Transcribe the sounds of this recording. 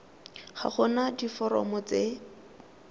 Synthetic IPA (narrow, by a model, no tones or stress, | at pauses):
χa̰χʊnadifɔɾɔ̰mɔt͡se